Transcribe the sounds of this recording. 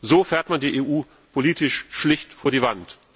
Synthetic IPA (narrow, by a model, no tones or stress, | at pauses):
zoːfɛːɐtmandiːʔeːʔuː | pʰoliːtɪʃʃlɪçtfoːɐɾiːvant